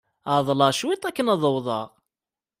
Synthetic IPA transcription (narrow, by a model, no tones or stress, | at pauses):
aʕðˤlɑʃwit̪ˤækːənɑðˤəwðˤɑʁ